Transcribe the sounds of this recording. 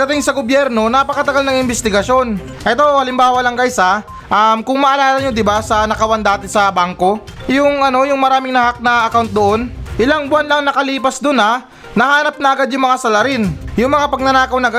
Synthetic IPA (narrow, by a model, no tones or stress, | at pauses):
pɐɡ̚d̪ɐt̪ɪŋsɐɡobjɛɾno̞napɐkɐt̪ɐɡalnɐŋɪmbɪst̪ɪɡɐʃo̞n | ʔɛt̪o̞hɐlɪmbaːwɐlɐŋkɐjsa | ʔɐmkʊŋmɐʔɐlaːlɐɲod̪ɪbasɐnɐkɐwɐnd̪aːt̪ɪsɐbaŋko̞ | jʊŋʔɐno̞jʊŋmɐɾaːmɪŋnɐhak̚nɐʔɐkawnt̪̚d̪oʔo̞nʔɪlaŋbwanlɐŋnɐkɐliːpɐsd̪ʊnɐ | nɐhaːnɐp̚nɐʔɐɡad̪jʊŋmɐŋasɐlɐɾɪnjʊŋmɐŋapɐɡ̚nɐnaːkɐwnɐɡɐ